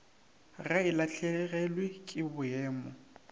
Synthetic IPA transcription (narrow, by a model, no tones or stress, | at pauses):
raɪlaɬɛɣɛlwekʼɪbʊɛːmɔ